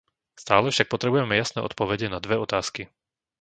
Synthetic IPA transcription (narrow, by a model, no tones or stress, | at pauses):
st̪aːlɛfʃak̚pɔt̪ɾɛbujɛmɛjasnɛ̰ːʔɔ̰t̪̚pɔʋɛɟɛnad̪ʋɛɔt̪aːski